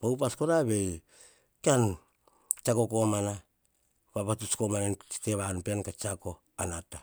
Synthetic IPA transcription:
bawp̬asko̞ɾaβe̞j | kan | t͡ʃako̞ko̞mana | baβatut͡ʃko̞manet͡ʃi̥te̞βanpenkat͡ʃako̞ | anata

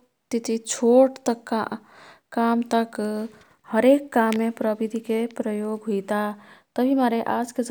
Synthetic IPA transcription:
t̪it̪ʰit͡ʃʰoʈt̪əkːa̰ː | amt̪ək | həɾekːamːepɾəbid̪ʱikepɾəjoːɡɦujt̪at̪əbʱimaɾeʔad͡ʒked͡ʒ

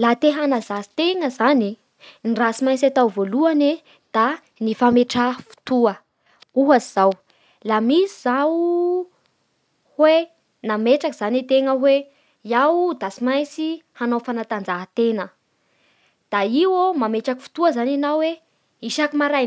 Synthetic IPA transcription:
lat̪eɦanazasi̥t̪eŋəzani | nirasimajsat̪awvoluane | d̪̥a | nifameʈ͡ʂafu̥t̪uə | uɦazizaw | lamisizaw | hwe | nameʈ͡ʂakiz̥anet̪eŋəwe | iawd̪asimajsihanofanat̪and͡zaɦət̪enə | d̪̥aiwomameʈ͡ʂaki̥fu̥t̪uəzananawwe | iʃakimaɾaj

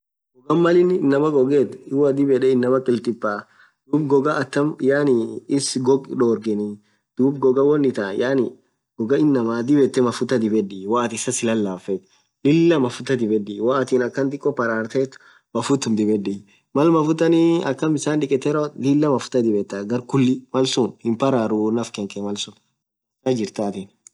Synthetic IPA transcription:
ɡɔɡɐmːɐlɪnɪnːɐmɐɡɔɡɛt̪ɪwɐd̪ɪbɛᶑɛɪnːɐmɐkʼɪlt̪ʼɪpːaː | d̪̥uːbɡɔɡɐːt̪ːɐmjaːnɪɪsɡɔɡᶑoːɾɡɛnɪ | d̪̥uːbɡɔɡɐwɔnːɪt̪ajaːnɪ | ɡɔɡɐɪnːɐmaːd̪ɪbɛt̪ːɛmɐfʊt̪ɐd̪ɪbɛdɪwaʔt̪ɪsɐsɪlɐlːaːfɛt̪ | lɪlːɐmɐfʊt̪ɐd̪ɪbɛdɪwaːt̪ɪnɐkːɐnd̪ɪkʼːɔpɐɾaːɾt̪ɛːt̪ː | mɐfʊt̪ːʊmd̪ɪbɛᶑɪ | mɐlmɐfʊt̪ːɐniɐkːɐmbɪsaːnᶑɪkʼɛt̪ːɛɾolɪlːɐmɐfʊ̥t̪ɐd̪ɪbɛt̪ːɐɡɐɾkʊlːɪmɐlsʊnhɪmpɐɾaːɾunɐfkɛŋkʼɛmɐlsʊn | sɐd͡ʒɪɾt̪aːt̪ɪn

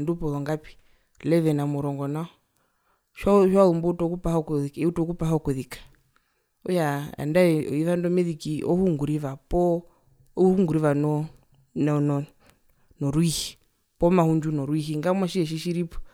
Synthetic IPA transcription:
ndupɔlɔŋɡapi̥ | lɛʋɛnamuɾɔŋɡɔnaɔ | ʃɔʃwaumbɔtɔkupahaɔkðikiutɔkupaɦaɔkuðikḁ | ɔja̰ndaiβandɔmɛðikiʔɔ̰huŋɡuɾiβapɔ | huŋɡuɾivanɔ | nnɔ | nɔɾwihi | pɔmahuɲd͡ʒunɔɾwiɦiŋɡamwaʃiɛʃ̬iʃiɾipɔ̥

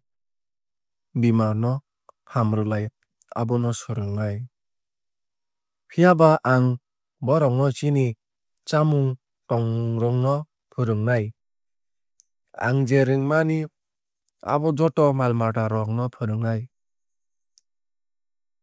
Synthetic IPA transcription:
bimaɾnɔ | hamɾɯlaj | a̰bɔnɔsɔɾɯŋnaj | pʰijabaʔaŋ | bɔɾɔŋnɔt͡ʃini | t͡ʃamuŋ | tɔŋɾɔŋnɔ | pʰɯɾɯŋnaj | a̰ŋd͡ʒeɾɯŋmani | a̰bɔd͡ʒɔtɔmalmaʈaɾɔŋnɔpʰɯɾɯŋnaj

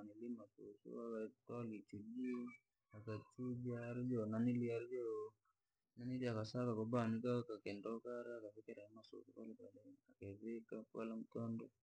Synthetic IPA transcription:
nilimasosṵakatalit͡ʃuli | akat͡ʃud͡ʒiaɾd͡ʒɔnaniliaɾd͡ʒɔ | naniɾiakasakakɔbanikakakɛndɔkaɾaakafikɛɾaamaso̰sokalikaakeβekakwa̰lam̩tɔndɔ

